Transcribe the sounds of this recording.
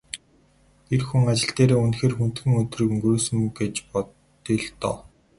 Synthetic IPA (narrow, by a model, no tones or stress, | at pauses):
erxuŋat͡ɕɪ̆ɬt̪eːɾeːunxeːrxun̥t̪ɡɘ̆ŋɵt̪rɘ̆kɵŋɡɵɾuːsɵ̆mɡet͡ɕpɔ | t̪iɮt̪ɔ̰ː